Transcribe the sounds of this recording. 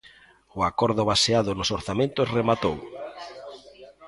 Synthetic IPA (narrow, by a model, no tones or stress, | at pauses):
ʊakɔɾðʊβaseaðʊnosoɾθamẽnt̪osremat̪ow